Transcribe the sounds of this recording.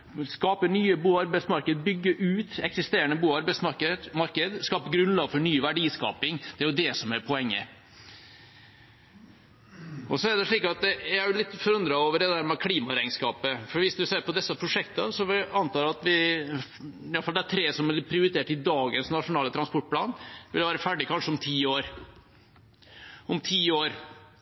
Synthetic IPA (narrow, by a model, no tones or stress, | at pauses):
skɑːpəɳyːəbuːɑɾbæɪsmɑɾkəd̪əbʏɡːəʔʉːt̪ɛksɪst̪eːɾəɳəbuːɑɾbæɪsɑkəmɑɾkəd̪skɑːpəɡɾʉnlɑːɡfɔɳyːʋæɖiːskɑ̰ːpɪŋd̪̥ɛæɾjʊd̪ɛsɔmæɾpʰɔɛŋːə̰ | ʔɔsɔæɖɛʂɭiːkɑt̪̚d̪ɛjææɾjʊlɪt̪ːfɔɾʉnd̪ɾɑoːʋəɖɛd̪æɾmɛkʰliːmɑɾæɪŋskɑːpəfɔɾʋɪsd̪ʉseːɾpɔd̪ɛsːəpʰɾʊʂɛkt̪əsɔɑnt̪ʰɑːɾɑt̪ʋɪ | jɑlfɑld̪ɛæt̪ʰɾeːsɔmælpʰɾɪʊɾɪt̪ʰeːʈɪd̪ɑːɡənsnɑʂʊnɑːlət̪ʰɾɑnspɔʈ̚pʰlɑ̰ːnʋɪ̰lʋæːɾəfæɖɪkʰɑnʂəɔmt̪ʰiːoːɾ | ɔmt̪ʰiːoːɾ